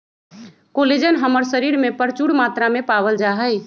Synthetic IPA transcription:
koled͡ʒənɦəməɾsəɾiɾmepəɾt͡ʃuɽmat̪ɾamepabəld͡ʒaɦəj

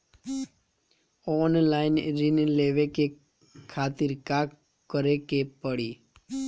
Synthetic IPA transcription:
ɔnlain̰ɾineleʋeke | kʰat̪iɾka | kːəɾekepəɽi

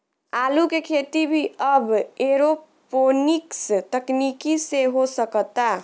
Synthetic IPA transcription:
aːlukekʰet̪ibʱiəbeɾo | ponikst̪əknikiseɦosəkt̪a

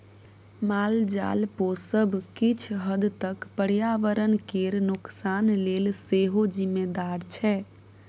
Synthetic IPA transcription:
mald͡ʒa̰lposəbʱkit͡ʃʰɦəd̪t̪əkpəɾjaʋəɾənkeɾnuksanlelseɦod͡ʒimːed̪aɾt͡ʃʰɛ

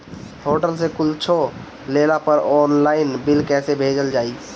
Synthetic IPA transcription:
hoːʈəlsekʊlt͡ʃʰo | leːlapəɾɔːnlaːɪnbɪlkɛːsebʱeːd͡ʒəld͡ʒaːiː

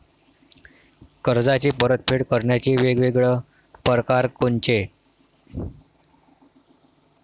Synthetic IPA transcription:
kəɾd͡zat͡ɕiːpəɾət̪̚pʰeɽkəɾɳjat͡ɕiːʋeɡʋeɡɭə | pəɾkaɾkont͡ɕe

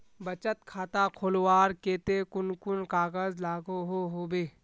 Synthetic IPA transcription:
bət͡ʃət̪kʰaːt̪akʰoːlwaːɾkeːt̪ekʊnkʊnkaːɣəzlaːɡoɦoɦoːbeː

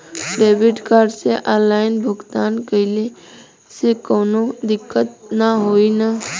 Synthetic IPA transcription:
ɖeːbɪʈkaːɾseʔaːlaːɪnbʱʊɡt̪aːnkəɪle | sekoːnod̪ɪkːət̪naɦoːina

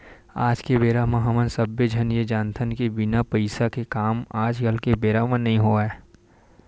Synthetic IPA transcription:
a̰ːd͡ʒkebeːɾaːmãɦɐmə̃nsəbːed͡ʒʱənjed͡ʒaːnt̪ʰənkebɪnapəɪsakekaːmaːd͡ʒɡəlkebeːɾamãnɐɦĩɦoɛː

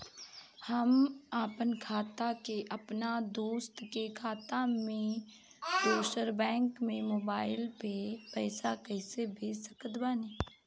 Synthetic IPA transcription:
hɐmaːpənkʰaːt̪akeʔɐpnad̪oːst̪kekʰaːt̪amẽ | doːʃəɾbɛ̃ːŋkmẽmoːbaːɪlpepɛːsakɛːsebʱeːsəkət̪baːneː

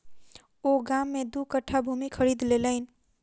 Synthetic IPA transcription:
oɡamːed̪ukəʈʰːabʱumikʰəɾid̪leləɪn̆

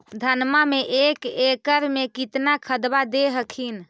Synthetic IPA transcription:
d̪ʱənmameʔekekəɾmekit̪nakʰəd̪bad̪eɦəkʰin

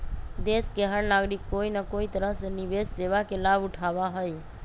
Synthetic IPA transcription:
d̪eskeɦəɾnaɡɾikːoinəkoit̪əɾəɦsenibesseʋakelabuʈʰabaɦəj

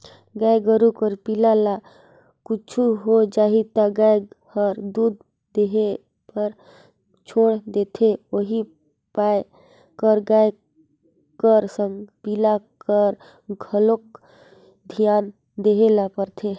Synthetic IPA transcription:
ɡaɡəɾukəɾpilala | kut͡ʃʰuɦod͡ʒaːɦit̪aɡajhəɾd̪ud̪̚ | d̪eɦe | pəɾ | t͡ʃʰoːɽd̪et̪ʰeoɦi | pa | kəɾɡaj | kəɾsəmpilakəɾ | ɡʱəlok̚ | d̪ʱijaːn | d̪eɦelapəɾt̪ʰe

